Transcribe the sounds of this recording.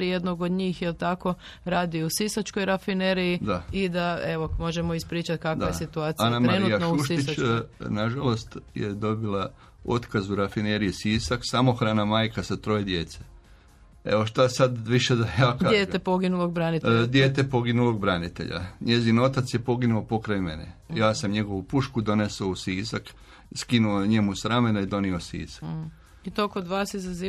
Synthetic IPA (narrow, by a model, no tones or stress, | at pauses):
ɾije̞d̪noɡod̪ɲiːxjelˠt̪ako̞ | ɾaːd̪iusisat͡ʃko̞jɾafineɾijid̪aid̪aeʋo̞mo̞ʒemoispɾiːt͡ʃat̪kak̪ajesit̪uaːt̪iianamɾennujakouʃit͡ʃnaʒalo̞st̪jḛd̪o̞bilˠa | o̞t̪kazuɾafineɾijisisaksamoxɾaːnamaːjkasat̪ɾo̞jed̪je̞t̪se | eʋo̞ʃt̪asad̪ʋiʃe̞d̪ajaːkajet̪epoɡinuloɡ̚bɾanitd̪jeːt̪epo̞ɡinulo̞ɡ̚bɾanit̪e̞̰ʎa̰ɲe̞zino̞t̪at̪sje̞po̞ɡinuopo̞kɾajme̞̰nḛjaːsamɲe̞ɡo̞ʋupuʃkud̪o̞ne̞sousiːzak | skinuoɲe̞musɾame̞naid̪o̞niosḭːzḁk | it̪okod̪ʋaːsizazi